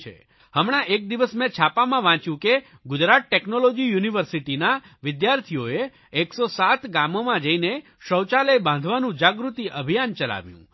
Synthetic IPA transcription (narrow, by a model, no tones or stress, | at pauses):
t͡ʃʰḛ | həmɽ̃aʔek̚d̪iʋəsmẽt͡ʃʰapamãʋãt͡ʃjũke | ɡʊd͡ʒɾat̪̚ʈeknolod͡ʒijuniʋəɾsiʈina | ʋɪd̪jaɾt̪ʰijoeː | ksosat̪ɡamomãd͡ʒəine | ʃəwt͡ʃaləjbãnd̪ʱʋanũd͡ʒaɡɾut̪iʔəbʱijant͡ʃəla̰ʋjṵ̃